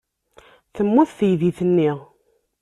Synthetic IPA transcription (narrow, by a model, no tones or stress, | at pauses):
θəmːʊθθəjðiθənːiʁ